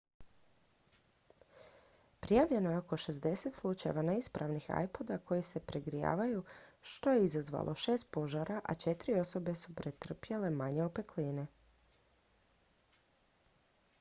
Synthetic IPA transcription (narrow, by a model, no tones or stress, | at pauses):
pɾijaʋʎe̞nojeo̞ko̞ʃe̞zd̪e̞set̪slˠut͡ʃajḛʋaneispɾaʋnixa̰jpo̞d̪ako̞jise̞pɾeɡɾija̰ːʋajuʃt̪o̞jeizazʋa̰lʔo̞ʃe̞ːst̪̚po̞ʒaɾʔaʔa̰t͡ʃe̞t̪ɾio̞so̞be̞supɾet̪r̩pjele̞maɲeopekliːne